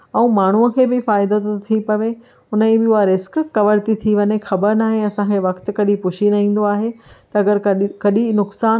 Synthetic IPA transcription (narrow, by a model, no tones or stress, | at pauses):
ɛ̃ũmaːɳ̤uəkʰeːbɪfaːɪd̪ot̪t̪ʰipɐʋe | ʊnəĩbɪuaɾɪskkɐʋəɾt̪it̪ʰiʋɐɲexɐbəɾnaːɦeɐsãkʰeːʋɐkt̪kɐɗĩpʊʃʰinɐɦĩːn̆d̪oaːɦet̪ɐɐɡəɾkɐɗinʊksaː